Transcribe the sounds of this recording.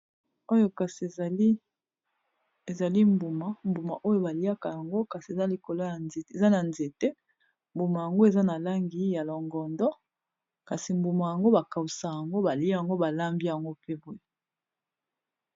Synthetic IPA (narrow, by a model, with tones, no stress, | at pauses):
o˦jo˦ka˨si˨˦ | e˨za˨li˦mbu˨ma˦mbu˨ma̰˨ʔo˦jo˦ba˨li˦a˦ka˨ja˨ŋɡo˦ka˨si˨e˨za˦li˨ko˨lo˦ja˨ne˨e˨za˦na˨nze˨te˦ | mbu˨ma˨ja˨ŋɡo˦e˨za˦na˨la˦ŋɡi˨ja˨lɔ˨ŋɡɔ˨ndɔ˦ | ka˨si˨mbu˨ma˨ja˨ŋɡo˦ba˨ka˨u˨sa˨ja˨ŋɡo˦ba˨li˦a˨ŋɡo˦ba˨la˦mbi˦ja˨ŋɡo˦pe˦bu˦je˦